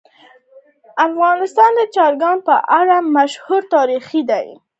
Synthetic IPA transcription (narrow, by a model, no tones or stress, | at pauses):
afɣɑnɪst̪ɑnd̪ət͡ʃɑɾɡɑnpəʔaɽamaʃhuɾt̪ɑɾixid̪aj